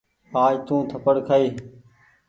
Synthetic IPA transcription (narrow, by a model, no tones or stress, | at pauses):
aːd͡ʒt̪ũːt̪ʰəpəɽkʰaiː